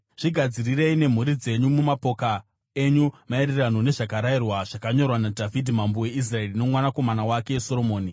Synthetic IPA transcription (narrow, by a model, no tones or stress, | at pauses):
ʐ̥iɡʱad͡zirire̞ine̞m̤uɾid͡ze̞ɲumumapoka | e̞ɲumae̞ɾeranone̞ʐakaɾairwaʐ̥akaɲo̞rwanadʱavidʱimambowe̞is̬rae̞rine̞mwanako̞manawake̞eso̞ɾo̞mo̞ːni